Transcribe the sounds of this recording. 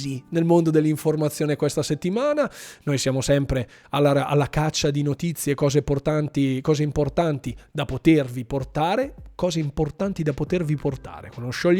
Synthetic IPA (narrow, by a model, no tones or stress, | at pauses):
inelmond̪od̪elːiɱformat̪sːjoːnekwest̪aset̪ːimaːnanojsjaːmosɛmpɾe | alːaaa̰lːakat͡ʃːad̪inot̪it̪sːjekɔːzeport̪ant̪ikɔːzeimport̪ant̪id̪apot̪erviport̪aːɾekɔːzeimport̪ant̪id̪apot̪erviport̪a̰ːɾḛkonoʃoʎː